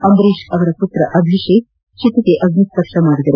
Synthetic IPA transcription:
ɐmbɾeːʃɐʋɐɾɐput̪ɾɐʔɐb̪ʱiʂeː | t͡ʃit̪ɐk̪eʔɐɡnisp̪ɐkʂɐmaːɽid̪ɐɾu

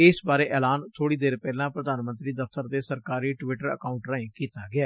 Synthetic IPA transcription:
ɪsbaːɾeːʔɛːlaːnt̪ʰoːɽiːd̪eːɾpɛːlãːpɾəd̪aːnmə̃nt̪ɾiːd̪əft̪əɾd̪eːsəɾkaːɾiːʈʋɪʈəɾə̰kaːʊɳʈɾãːĩːkiːt̪aːɡɪaː

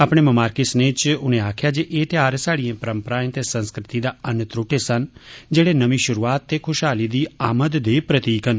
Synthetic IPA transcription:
aːpɽ̃eːməmaːɾkɪsneːt͡ʃʊnẽaːkʰjaːd͡ʒeːʔeːt̪jaːɾsaːɽijẽːpəɾəmpəɾãːjẽt̪eːsə̃nskɾɪt̪id̪aːənːt̪ɾʊʈesənd͡ʒeːɽeːnəʋĩʃʊɾuːaːt̪ːeːkʰʊʃɦaːlid̪iːaːməd̪d̪eːpɾət̪iːkən

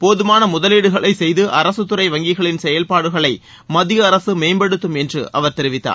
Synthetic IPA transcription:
poːðɯmaːnɐmʊðɐleːɽɯɣɐɭɐɪsɛjðɯʔɐɾɐsɯt̪ːɯɾɐɪʋɐŋɡɪɣɐɭɪnsɛjɐlpaːɽɯɣɐɭɐɪ | mɐðɪjɐːɾɐsɯmeːmbɐɽɯt̪ːɯmɛndrɯ̰ʔɐ̰ʋɐɾt̪ɛɾɪʋɪt̪ːa̰ː

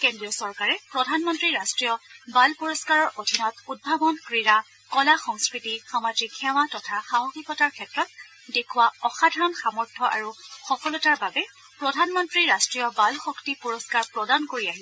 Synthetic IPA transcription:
kendɹiɔsɔɹkaɹɛpɹɔdʱanmɔntɹiɹastɹijɔbalpɔɹɔskaɹɔɹʔodʱinɔtud̚bʱabɔnkɹiɹa | kɔlaxɔŋskɹitixamad͡ʒikʰːɛwatɔtʰaxamɔxikɔtaɹkʰɛtɹɔt̚ | dekʰʊwaɔxadʱaɹɔnxamɔɹtʰɔʔa̰ɹuxɔfɔlɔtaɹbabɛ | pɹɔdʱanmɔntɹiɹastɹijɔbalxɔktipuɹɔskaɹpɹɔdankoɹiaɦilɛ

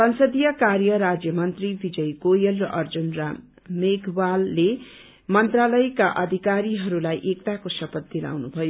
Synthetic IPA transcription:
sʌnsʌd̪ijʌkarjʌɾad͡zjʌmʌnt̪ribid͡zʌjɡojʌlrʌʔʌrd͡zunra | meɡʱbalːe | mʌnt̪ralʌjkaʔʌd̪ʱikaɾiɦʌɾulajʔekt̪akosʌpʌt̪̚d̪ila̰wnubʱʌjo

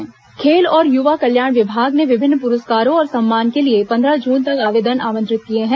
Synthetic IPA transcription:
kʰeːlɔːɾjuʋakɐljaːɽ̃ʋɪbʱaːɡneʋɪbʱɪnːpʊɾʊskaːɾõɔːɾsɐ̃mːaːnkeliepɐ̃nd̪ʱɾad͡ʒuːnt̪ɐkaːʋeːd̪ənaːʋə̃nt̪ɾɪt̪̚kieɦɛ̃ː

